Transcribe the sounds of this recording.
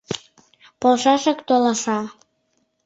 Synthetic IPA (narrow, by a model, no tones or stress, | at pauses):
polʃɑʃəkt̪olɑʃɑ